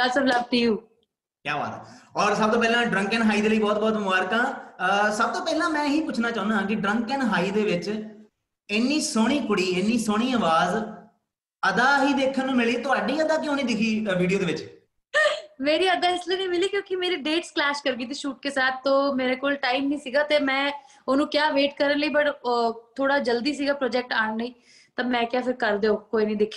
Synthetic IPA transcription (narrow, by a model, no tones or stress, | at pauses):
kəsəʋləb̚t̪iːuː | kjaːba̰ːt̪ːɔːɾsəb̚t̪oːpɛːlãːɖɾə̃ŋkənɦaːiːd̪eːləiːbɔːt̪̚bɔːt̪mʊaːɾkãːəsəb̚t̪oːpɛːlãːmɛ̃ːɦiːkʊt͡ʃʰnaːt͡ʃãːʊndaːãːk̬ɪɖɾə̃ŋkənɦaːiːd̪eːʋɪt͡ʃ | ɪnːiːsoːɽ̃iːkʊɽiːɪnːiːsoːɽ̃iːəːʋaːz | əd̪aːɦiːd̪eːkʰːənːũːmɪliːt̪ʊaːɖiːəd̪aːk̬ɪõːniːd̪ɪkʰiːʋiːɖijoːd̪eːʋɪt͡ʃ | meːɾiːəd̪aːɪsləːniːmɪliːkjõːkɪmeːɾeːɖeːʈsklɛːʃkəɾɡiːt̪iːʃuːʈ̚keːsaːt̪̚t̪õːmeːɾeːkoːlʈaːimnĩːsiːɡaːt̪eːmɛ̃ː | oːnũːkjaːʋeːʈkəɾənləiːbəʈt̪ʰoːɽaːd͡ʒəld̪iːs̬iːɡaːpɾɔːd͡ʒɛːk̚ʈaːɳləiː | t̪ãːmɛ̃ːkjaːpʰɪɾkəɾd̪eːõːkoːiːnə̃ĩːd̪ekʰːi